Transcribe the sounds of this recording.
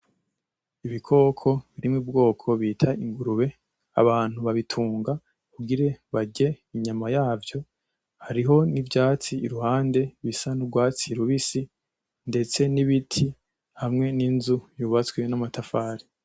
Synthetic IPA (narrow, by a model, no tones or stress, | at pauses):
iβikʰo̞ːkʰo̞βiɾimŋib̚ɡo̞ːkʰo̞βiːtʰaiŋɡuɾuβe̞ | a̰βaːn̥huβaβitʰuːŋɡa | kuɡiɾe̞βaɟe̞ | iɲamajaːvjo̞ | haɾiɦo̞nivjaːt͡siːɾuhaːnde̞βisanubɡwaːt͡siɾuβisi | nde̞t͡se̞niβitʰi | hamŋe̞ninzujuβat͡swe̞namatafaːɾi